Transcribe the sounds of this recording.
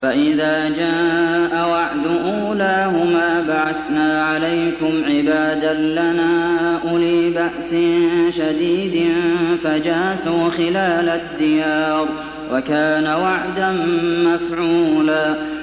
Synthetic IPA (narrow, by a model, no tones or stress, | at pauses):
faʔɪðaːd͡ʒaːʔawaʕd̪ʊʔuːlaːhʊmaːbaʕaθnaːʕalajkʊmʕɪbaːd̪alanaːʔʊliːbaʔsɪnʃad̪iːd̪ɪnfad͡ʒaːsuːxɪlaːlad̪ːɪjaːɾˤ | wʔakaːnawaʕd̪anmafʕuːlaː